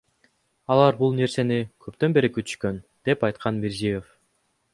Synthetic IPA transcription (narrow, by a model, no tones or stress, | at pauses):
ɑlˠɑɾbulˠne̞ɾse̞nikʰøpt̪ø̞nbe̞ɾikyt̪y̥ʃkø̞nd̪̥e̞pɑjt̪qʰɑnmeɾzijef